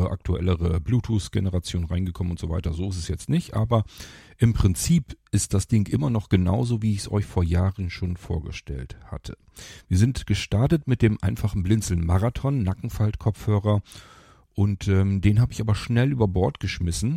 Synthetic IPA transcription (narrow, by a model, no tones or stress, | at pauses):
əʔa̰k̚tʰuɛ̰ləʁəbluːtʰusɡ̥ḛnəʁat͡sjoːnʁaɪnɡəkʰɔmənʊntz̥ova̰ɪtɐzoːɪstɛsjɛt͡stnɪçtʔa̰ːbɐʔɪmpʁ̥ɪnt͡siːpʔɪst̚d̥asd̥ɪŋʔɪmɐnɔχɡ̥əna̰ʊzoːviːɪçsʔɔ̰ʏçfoːɐjaːʁənʃoːnfoːɐɡə̰ʃtɛ̰ltha̰tʰə | viːɐzɪntɡ̥əʃtaɐtətmɪt̚d̥eːmʔa̰ɪnfaχn̩blɪnt͡sl̩nmaʁatʰɔnːakŋ̩faltkʰɔp͡fhøːʁɐ | ʔʊntʔɛːmdeːnɦaːbəɪçaːbɐʃnɛlʔyːbɐbɔɐtɡ̥əʃmɪsn̩